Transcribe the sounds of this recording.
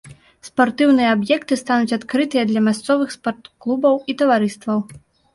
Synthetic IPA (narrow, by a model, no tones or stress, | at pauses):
spart̪ɨwnɨjɛabjɛkt̪ɨst̪anut͡sʲat̪kɾɨt̪ɨjɛd̪lʲɐmʲast̪sɔvɨxspɔrt̪klˠubɐwit̪ɐvaɾɨst̪vɐw